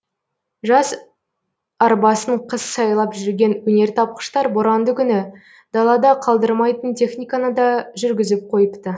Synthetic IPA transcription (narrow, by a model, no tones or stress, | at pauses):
ʒɑs | ɑɾbɑsəɴqʰəssɑjlˠɑpʒʏɾɡʲe̞nwɵne̞ɾt̪ʰɑp̚qə̥ʃt̪ɑɾbʊɾɑnd̪əkʲʰʏnɪ | d̪̥ɑlˠɑd̪ɑqʰɑlˠd̪əɾmɑjt̪ənt̪ʰe̞χnʲijkanəd̪ɑʒʏɾɡʲɪzɪp̚qʰo̞jəpt̪ə